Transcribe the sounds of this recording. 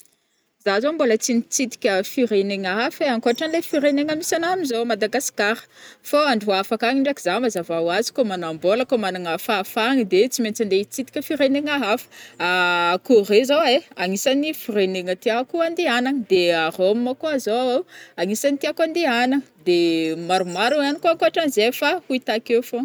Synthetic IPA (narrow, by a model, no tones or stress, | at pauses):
zazombolət͡sinit͡sit̪i̥kʲəfiɾeneŋaɦafeaŋkoaʈ͡ʂanlefiɾeneŋamisanaminzomad̪aɡasi̥kaɾə̥foaɳɖ͡ʐuafakaŋiɳɖ͡ʐakizamazavawazi̥komanamboləkomanaŋafafaŋid̪et͡siment͡sand̪et͡sit̪i̥kʲəfiɾeneŋaɦafə̥akurezoweaŋisanifireneŋət̪iakuand̪eanaŋəd̪earomːəkoazoaawaŋisanit̪iakand̪eanaŋəd̪emaɾumaɾuanikoaŋkoaʈ͡ʂanizefahuit̪akewfo